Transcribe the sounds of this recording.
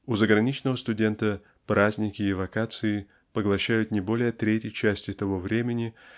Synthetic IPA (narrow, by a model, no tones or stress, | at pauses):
ʊzəɡɾɐnʲit͡ɕnəvəst̪ʊdʲe̞nt̪ə | pɾazʲnʲɪkʲɪːvɐkat̪sɨɪ | pəɡlˠɐɕːæjʊt̪nʲɪbo̞lʲɪjət̪ɾʲetʲjɪjt͡ɕæsʲtʲɪt̪ɐvo̞vɾʲemʲɪnʲɪ